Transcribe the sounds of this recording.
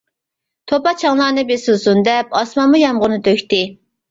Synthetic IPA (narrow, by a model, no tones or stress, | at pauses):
t̪ʰopɑt͡ʃʰɑŋlˠɑːnɨbesusund̪ɛp̚ɑsmɑnmujɑmʁʊnɨt̪ʰøkʲt̪ɪ